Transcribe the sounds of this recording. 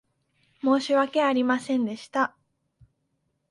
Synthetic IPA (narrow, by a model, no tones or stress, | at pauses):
mo̞ːɕiβake̞aɾʲimasẽ̞nd̪e̞ɕi̥t̪a